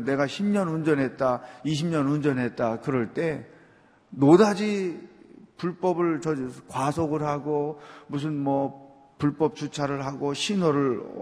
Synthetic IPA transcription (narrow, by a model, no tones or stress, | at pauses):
ne̞ɡaɕʰimɲʌnund͡ʑʌnɦe̞t̚t͈aiɕ̬ʰimɲʌnund͡ʑʌnɦe̞t̚t͈akɯɾʌɭt͈e̞ | nodad͡ʑi | puɭp͈ʌbɯɭt͡ɕʌkwasʰoɡɯɭɦaɡomus̬ʰɯnmʌ | puɭp͈ʌp̚t͡ɕut͡ɕʰaɾɯɭɦaɡoɕʰinoɾɯɭ